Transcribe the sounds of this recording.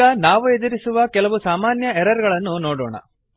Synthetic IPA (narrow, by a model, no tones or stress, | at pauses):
ɐnaːʋued̪iɾisuʋɐkɛlɐʋusaːmaːnjɐɛɾɐɾɡɐɭɐnːunoːɽɔːɳɐ̰